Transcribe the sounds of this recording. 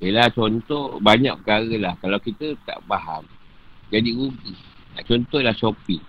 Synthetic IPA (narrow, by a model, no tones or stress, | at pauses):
belat͡ʃɔnt̪ɔbaɲak̚pəkaɣəlahkalawkit̪ət̪a̰ʔbaɦam | d͡ʒadiɡuɡih | t̪a̰ʔt͡ʃɔnt̪ɔhlaht͡ʃopiŋ